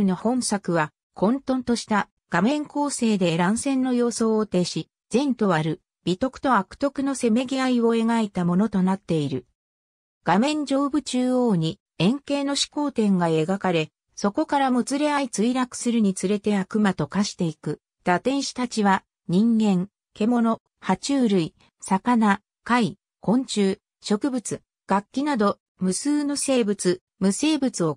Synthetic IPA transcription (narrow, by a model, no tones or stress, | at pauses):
ɯno̞hõ̞ɰ̃sakɯ̟βa | kʰõ̞nt̪õ̞nt̪o̞ɕi̥t̪a | ɡ̥amẽ̞ŋko̞ːse̞ːd̪e̞ːɾãɰ̃sẽ̞nːo̞jo̞ːso̞ːt̪e̞ːɕi | z̥ẽ̞nt̪o̞βaɾɯ̟ | b̥ʲit̪o̞kɯ̟̥t̪o̞akɯ̥t̪o̞kɯ̟no̞se̞me̞ɡʲiaiβo̞e̞ŋaet̪amo̞no̞t̪o̞nat̪ːe̞iɾɯ̟ | ɡ̥amẽ̞ɲ̟d͡ʑo̞ːbɯ̟t͡ɕɨːo̞ːɲ̟i | ẽ̞ŋke̞ːno̞ɕi̥ko̞ːt̪ẽ̞ŋɡae̞ɡakaɾe̞ | so̞ko̞kaɾamo̟t͡sɨɾe̞ait͡sɨiɾakɯ̟̥sɨɾɯ̟ɲ̟it͡sɨɾe̞t̪e̞akɯ̟mat̪o̞kaɕi̥t̪e̞ikɯ̟ | d̪̥at̪ẽ̞ɰ̃ɕi̥t̪at͡ɕiβa | ɲ̟ĩŋɡẽ̞ŋ | ke̞mo̞no̞ | hat͡ɕɨːɾɯ̟i | sakana | kai | kõ̞ɲt͡ɕɨː | ɕo̞kɯ̟bɯ̟t͡sɨ | ɡ̥akʲːinad̪o̞ | mɯ̟sɨːno̞se̞ːbɯ̟t͡sɨ | mɯ̟se̞ːbɯ̟t͡sɨo̞